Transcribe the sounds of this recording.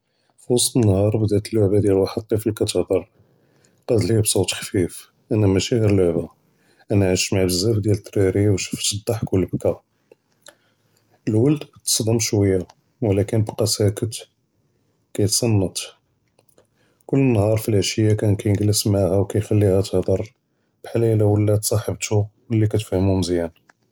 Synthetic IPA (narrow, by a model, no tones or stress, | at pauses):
fusənːhɑɾˤbəd̪æt̪əlːoʕbæd̪jælwaħəd̪̚t̪ˤːifilkæt̪ehd̪ɑɾˤ | qɑd̪libsˤut̪xfif | ʔænæmæʃæhəɾloʕba | ʔænæʕəʃmaʕbəzːæfd̪jælət̪ːɾiɾiwʃə̥ft̪əd̪ːɑħkʊlːbkæ | əlwəld̪bt̪ːə̥sˤd̪əmʃwəjːa | wlækənbqɑsækət̪ | kæjət̪sˤɑnːət̪ˤ | kʊlːənːhɑɾˤfilʕəʃəjːakænkæjɡləsmaʕhæwkæjxælːihæt̪əhd̪ˤɑɾˤ | b̥ħalæjlæwəlːæt̪sˤɑħəbt̪uwəlːikæt̪fæhəmumzjæn